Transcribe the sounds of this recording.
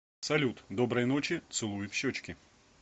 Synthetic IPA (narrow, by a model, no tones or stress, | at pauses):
sɐlʲut̪d̪o̞bɾəjnot͡ɕɪt̪sɨlˠujɪfɕːot͡ɕkʲɪ